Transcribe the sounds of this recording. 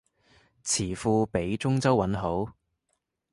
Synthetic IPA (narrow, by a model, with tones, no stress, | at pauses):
t͡sʰiː˨˩fuː˧pe˨˥jt͡sʊ˥ŋt͡sɐ˥wːɐ˨˧˥nɦo˨˥w